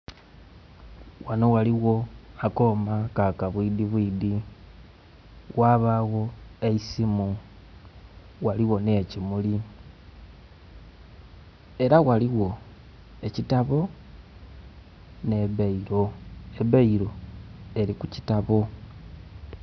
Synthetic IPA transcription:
wano̞waliɣo̞ako̞ːmakakaβwidiβwiːdi | waβaɣo̞e̞isimu | waliwo̞necimuli | e̞ɾawaliwo̞ | e̞citaβo̞ | ne̞βeiɾo̞e̞βeiɾo̞e̞likucitaβo̞

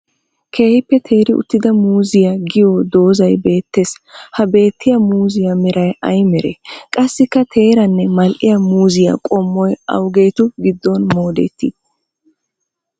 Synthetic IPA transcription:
kʰe̞ːhɪpːɛt̪ʰe̞ːɾɪʊ̰t̪ːɪd̪ɐmuːzɪjaɡɪjɔd̪o̞ːzɐjbe̞ːt̪ːeːshɐbe̞ːt̪ːɪjɐmuːzɪjɐmɪɾɐjɐjmɛɾḛkʼɐsːɪkːɐt̪ʰe̞ːɾɐnːɛmɐlʔɪjɐmuːzɪjɐ̰kʼɔmːɔjɐ̰wɡe̞ːt̪ʊɡɪd̪ːɔnmo̞ːd̪ɛ̰t̪ːi

